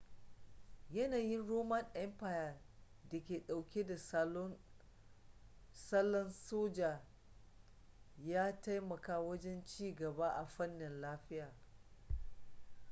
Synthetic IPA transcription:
jɐ˦naː˨jɪ˦nɽoː˦mɐ˦nʔɛ˦mpaː˨ja˨ | dɐ˨kʲeː˨ɗa˨wkʲe˦da˨slɔ˦ | sɐ˦lːɔ˦nsoː˦d͡ʒaː˨ | jaː˦ta˦jmɐ˨kaː˦wɐ˦d͡ʒɛ˦nt͡ʃiː˦ɡɐ˨ba˦ʔa˨ɸɐ˦nːɪ˨nlaː˦ɸɪ˦jaː˨

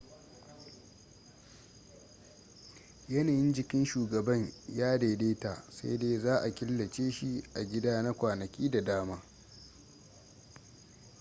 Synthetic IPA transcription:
jɐ˦naː˨jɪ˦nd͡ʒɪ˨kʲɪ˦nʃuː˨ɡɐ˨bɐ˦ɲjaː˦deː˨deː˦ta˨sa̰˦jdeː˦zaː˦ʔa˨kʲɪ˦lːɐ˨t͡ʃeː˦ʃi˦ʔa˨ɡʲɪ˦daː˦na˦kʷaː˨nɐ˨kʲiː˦da˨daː˦maː˦

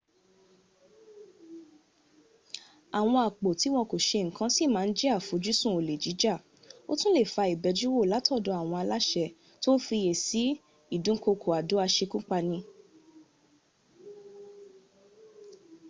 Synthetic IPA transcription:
a˨w̃ɔ̃˧a˨k͡po˨ti˨˦w̃ɔ̃˧ko˨ʃe˧ŋ̩˨kã˨˦si˦˨mãː˨˧n̩˦d͡ʒɛ˦a˦˨fu˨˦d͡ʒu˦sũ˦˨o˨le˨d͡ʒi˨˦d͡ʒa˦˨ | o˦tũ˦le˦˨fa˧i˨bɛ˧˦d͡ʒu˦wo˦˨la˨˦tɔ˦˨dɔ˨˧˦a˨w̃ɔ̃˧a˧la˦ʃɛ˧ | to˦n̩˦fi˧je˨si˨˦ | i˦˨dũ˨˦ko˧kʰo˨a˨do˨˦a˧ʃe˧kũ˦k͡pa˧nĩ˧

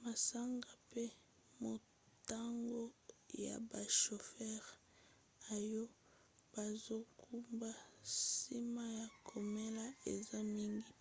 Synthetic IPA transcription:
ma˨sa˦ŋɡa˨pe˦ | mo˨ | ta˦ŋɡo˦ja̰˨ba˨ʃo˨fɛ˦ʁ | a˨jo˦ | b̥a˨zo˦kʰu˦mba˦si˦ma˦ja˨kʰo˨me˦la˦ḛ˨za˦mi˦ŋɡi˨

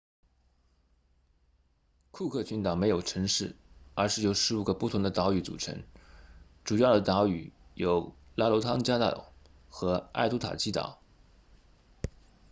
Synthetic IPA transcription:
kʰu˥˧kʰɤ˥˩t͡ɕʰy˧˥nt̪ɑ˨˩ŋme˧˥ɪjo˨˩ʊʈ͡ʂʰɤ˧˥ŋʂɻ̩˥˩ə˞˧˥ʂɻ̩˥˩jo˨˩ʊʂɻ̩˧˥u˨˥˩ɡə˧˦pu˥˩t̪ʰʊ˧˥ŋd̪ə˧t̪a˧˥ʊy˧˥t͡sṵ˨˩ʈ͡ʂʰɤ̰˧˥ŋ | ʈ͡ʂu˨˩jɑ˥˩ʊd̪ə˩t̪a˧˥y̰˨˩jo˧˥ʊ | la˥lo˧˥t̪ʰɑ˥ŋt͡ɕja˥t̪a̰˥˨˩ | xɤ˧˥a̰˥˩ɪt̪u˥t̪ʰa̰˨˩t͡ɕʰi˥t̪a̰˨˩˦

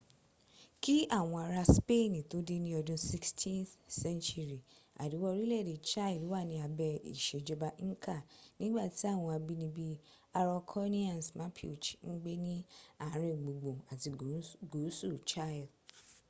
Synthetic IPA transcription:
ki˦a˦˨w̃ɔ̃˧a˧ɾa˧spe˦˨nĩ˨to˦de˦nĩ˦ɔ˧dũ˧si˦kstʰĩ˦θsɛ̃˦nt͡ʃu˦ɾi˨a̰˨du˨˦wɔ˧ɾi˦lɛ˦˨de˨t͡ʃa˦i˨lu˨˦wa˦˨nĩ˧˦a˧bɛ˧ḭ˦˨ʃe˨d͡ʒɔ˧ba˧ŋ̩˦ka˦˨nĩ˦ɡ͡ba˦˨ti˨˦a˦˨w̃ɔ̃˧a˧bi˦nĩ˧bi˦ | a˧ɾɔ˧kʰɔ˦nĩ˦ã˦˨n˨smãː˨˦pʰi˦o˨t͡ʃi̥˨ŋ̩˦ɡ͡be˦nĩ˦a˦˨˦ɾ̃ĩ˧˨ɡ͡bo˨ɡ͡bõ˨a˨ti˧ɡo˨˦su˦˨t͡ʃa˦˨l

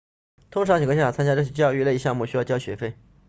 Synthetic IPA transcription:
t̪ʰʊ˥ŋʈ͡ʂʰɑ˧˥ŋt͡ɕi˨˩ɡjt͡sʰa˥nt͡ɕja˥ʈ͡ʂɤ˥˩i˥t͡ɕjɑ˥ʊy˥˧le˥˧ɪɕjɑ˥˧ŋmu˥˩ɕy˥jɑ˥˧ʊt͡ɕjɑ˥ʊɕɥɛ̰˧˥fe˥˩ɪ

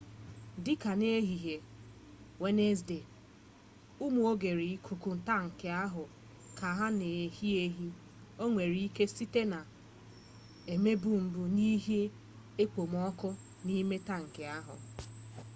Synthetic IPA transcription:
dɪ˦ka˨ne˦e˦ɦi˨ɦe˨ | we˦ne˦sde˨ | u˦mu˨o˦ɡe˨ɾi˨i˦kʰu˨ku˨n̩˨ta˦ŋ̩˨ke˨a˦ɦʊ˨ | ka˨ɦa˦ne˨hi˦e˦ɦi˦ | o˦ŋʷe˨ɾi˨i˦ke˦si˦te˦na˨ | e˨me˦bu˦m̩˦bʊ˦ni˦ɦe˦ | e˦k͡po˨mɔ˦kʊ˦ | ni˦me˦ta˦ŋ̩˨ke˨a˦ɦʊ̰˨

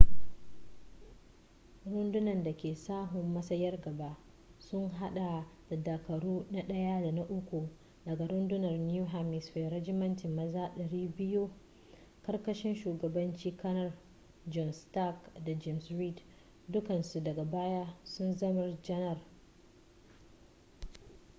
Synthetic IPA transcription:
ɽʊ˦ndʊ˦nɐ˨nda˨kʲeː˨saː˦ɦʊ˨mːɐ˦sɐ˦jɐ˦rɡɐ˨baː˦ | sʊ˦ŋɦa˦ɗa˨da˨da˨kɐ˨ɽuː˦na˦ɗɐ˦ja˦da˨na˦ʔʊ˦kʷu˨ | dɐ˨ɡa˨ɾʊ˦ndʊ˦nɐ˨rnjuː˦ɦaː˦mɪ˨sweː˨ɾɐ˦d͡ʒɪ˦mɐ˦ntɪ˨mːɐ˦zaː˦ɗɐ˨ɾiː˦bɪ˦ju˦ | kɐ˦rkɐ˦ʃɪ˦nʃuː˨ɡɐ˨bɐ˦nt͡ʃiː˦kɐ˦nɐ˦r | d͡ʒɔ˨nsta˦˨kda˨d͡ʒɛ˦˨msɾiː˦˨d | dʊ˦kɐ˨nsu˨dɐ˨ɡa˨baː˦jaː˦sʊ˦nzɐ˦mɐ˦rd͡ʒɐ˦nɐ˦˨r

